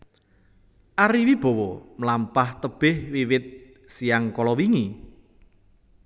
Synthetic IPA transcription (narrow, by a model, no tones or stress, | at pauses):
ʔaɾiwib̥ɔ̤wɔmlampaht̪əb̥ɪhwiwɪt̪̚ | siaŋkɔlɔwiŋi